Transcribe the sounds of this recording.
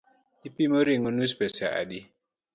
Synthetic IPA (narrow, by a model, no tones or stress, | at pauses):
ipimoɾiŋonus̬pɛsa̰a̰di